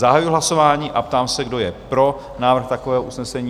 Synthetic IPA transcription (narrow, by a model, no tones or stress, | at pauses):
zaɦajuuɦlaso̞vaːɲiːʔapt̪aːmsɛɡdo̞jɛpɾo̞ | naːvɾr̩xt̪akovɛːɦoʔusnɛsɛɲiː